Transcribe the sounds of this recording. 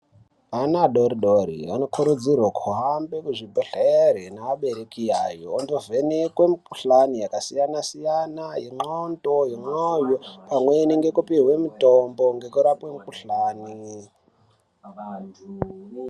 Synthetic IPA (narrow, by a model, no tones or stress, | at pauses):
anaɗoɾiɗoɾḭʋano̞kʰuɾud͡zirwokʰuɦambekuʐibʱoɬeɾenaːɓe̞ɾekija̰ːjoːndovenekwe̞mukuɬanijakasijanasijanaɦiŋ͡ǃontoɦiŋ͡ǃojopamweniŋɡe̞kupirwe̞mutomboŋɡe̞kuɾapwemukuɬaːni